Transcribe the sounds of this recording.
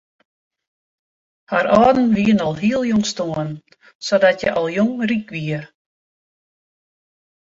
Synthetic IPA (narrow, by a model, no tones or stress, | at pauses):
haɾɔːdn̩ʋiənɔlˠɦiəlˠjoŋstoən | sodatjə̰ʔɔlˠjoŋrikʋiər